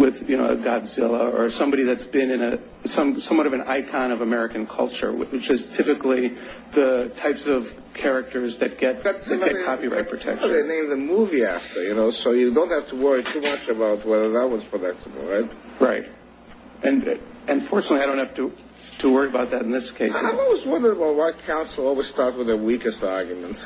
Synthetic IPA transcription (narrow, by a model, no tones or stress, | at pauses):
wɪðjɨnoʊə̰ɡɑbzɪlˠəə˞sʌ̃mbɑɾiðɨtsb̥ɪ̃nɨ̃nɨ | sʌ̃msʌ̃mwʌɾʌvɨ̃na̰ɪkʰɑ̃ñʌvəmɛɹɨkɨ̃n̩kʰʌ̰lˠt͡ʃə̰˞w̰wɨt͡ʃɨz̥tʰɪpɨkli | ðɨtʰaɪpsʌv̥ | kʰɛɹɨk̚tə˞zðɨt̚ɡ̥ɛt̪̚ttɡ̥ɛt̚kʰɑpiɹa̰ɪt̚pʰɹ̥ɨtʰɛ̰k̚tðeɪnẽɪ̃mðɨmuviæftʰə˞jɨnoʊsoʊjɨdõʊ̃nt̚hæftʰəwɜ˞itʰumʌt͡ʃɨbaʊt̚wɛðə˞ðət̚wʌz̥pʰɹ̥ɨdʌk̚təbl̩ˠɹaɪt̚ɹaɪt̚ | ʔɨ̃nɨ̃ɱfɔɹt͡ʃnətˡliaɪõʊ̃nthæftɨ | tʰəwɜ˞ɹiɨbaʊt̪̚ðɨɾn̩ðɪskʰeɪsɪmawʌzwʌ̃ndə˞əbaʊt̚wakʰãʊ̃nsl̩ˠɔlˠwiz̥stɑɹt̚s̚wɨðəwikɨstɑɹɡjɨmɨ̃nt